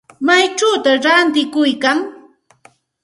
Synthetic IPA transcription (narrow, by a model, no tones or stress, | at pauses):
majt͡ʃawt̪aɾant̪ɪkʊjkaŋ